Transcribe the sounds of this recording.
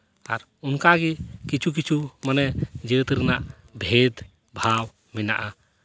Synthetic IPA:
a̰ɾ | unkaɡikit͡ʃʰuk̬it͡ʃʰumanɛd͡ʒiɾt̪iɾɛnaʔ | bʱed̪ | bʱaw | minaʔa

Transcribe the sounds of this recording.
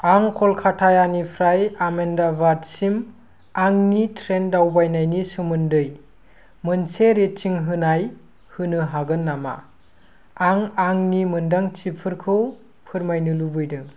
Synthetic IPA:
aŋkʰɔlkʰatʰajanipʰɾajamendabadsim | aŋnitʰɾendawbajnajnisɯmɯndɯj | mɯnseɾet͡ʃiŋɦɯnaj | hɯnɯɦaɡɯnːama̰ | aŋaŋnimɯndaŋt͡ʃipʰɯɾkʰɯw | pʰɯɾmajnɯlubɯjdɯŋ

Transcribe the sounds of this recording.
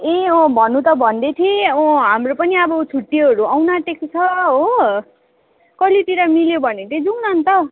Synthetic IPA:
ẽʌ̃bʱʌnːut̪ʌbʱʌnd̪et̪ʰĩʌɦamropʌniʌbʌt͡sʰuʈːiɦʌɾuawnaʈekt͡sʰʌɦo | kʌliʈiɾʌmiljobʱʌneʈ̪id͡zunant̪ʌ

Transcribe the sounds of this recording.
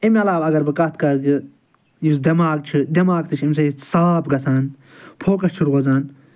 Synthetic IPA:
imʲɐlaːbɐɡɐɾbɨkɐt̪kɐki | jisd̪ɐmaːɡ̚t͡ʃʰid̪ɐmaːɡt̪ɨt͡ʃʰimʲsɐjisaːpɡɐt͡sʰaːn | pʰoːkɐst͡ʃʰuɾɣozaːn

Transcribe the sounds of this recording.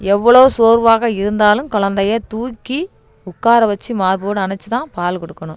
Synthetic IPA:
ɛʋːɐɭoːsoːɾʋaːɣɐɪɾɯnd̪aːlɯmkɔɭɐnd̪ɐjɐt̪uːkːi | ʊkːaːɾɐʋɐt͡ʃːimaːɾpoːɽɯɐɳɐt͡ʃːɯt̪ãːpaːlkɔɽɯkːɐɳʊ̃m

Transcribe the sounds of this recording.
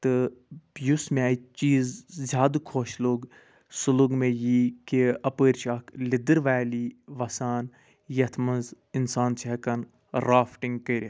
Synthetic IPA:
t̪ɨbjusmẽaːit͡ʃiːzzʲaːd̪kʰoːʃloɡ | suluɡmẽjiːkiɐpəːɾʲt͡ʃʰɐkʰlid̪ɨɾʋaːliːʋɐsaːn | jɐt̪ʰmɐnz | ɪnsaːnt͡ʃʰiɐkɐn | ɾaːfʈiŋɡkəɾʲɐ

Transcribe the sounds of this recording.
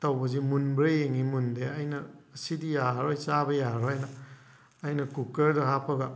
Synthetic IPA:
tɐwbɐzimunbɾejeŋimundeajnɐːsidijaɾojt͡ʃabɐjaɾoajnɐː | jnɐkukeɾdɐɦapʰɐɡa

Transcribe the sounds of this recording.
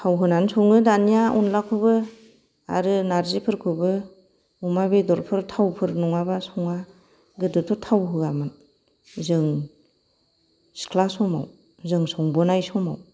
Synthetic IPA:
tʰawɦɯnansɔŋɯdanijaunlakʰɯbɯ | a̰ɾɯnaɾzipʰɯɾkʰubɯ | umabedɔɾpʰɯɾtʰawpʰɯɾnɔŋabasɔŋa | ɡɯdɯtʰɔtʰawɦɯɡamɯn | zɯŋ | skʰlasɔma̰w | zɯŋsɔŋbɔnajsɔma̰w

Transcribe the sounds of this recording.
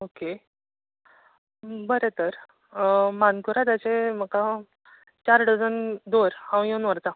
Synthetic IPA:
oke | bəɾet̪əɾ | mankuɾat̪jat͡ɕem̤əka | t͡ɕaɾɽəd͡zənd̪oɾhãwjõnʋəɾt̪a

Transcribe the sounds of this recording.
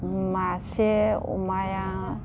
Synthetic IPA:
maseṵmaja

